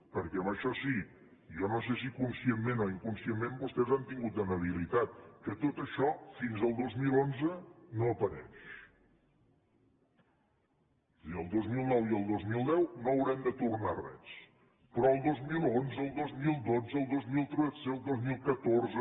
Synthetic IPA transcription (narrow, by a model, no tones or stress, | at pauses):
pəɾkɛəməʃɔsi | jɔnos̬es̬ikunsiemːenɔiŋkunsiemːembust̪ɛzant̪iŋɡut̪̚d̪ənəβ̞ilit̪at̪̚kət̪ot̪əʃɔfinzəlˠd̪ozmilonzənoəpəɾɛ̰ʃ | siəlˠd̪ozmilˠnɔwiəlˠd̪ozmilˠd̪ɛwnoəwɾɛmd̪ət̪urnarɛ̰s | pɾɔəlˠd̪ozmilˠonzəːlˠd̪ozmilˠd̪od͡zəːlˠd̪ozmilˠt̪ɾuəseəlˠd̪ozmilˠkət̪orzə